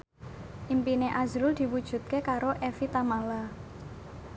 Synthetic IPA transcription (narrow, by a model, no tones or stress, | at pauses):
ʔimpineʔazɾʊld̪̥i̤wud̥ʒ̥ṳt̪̚kekaɾoʔefit̪amala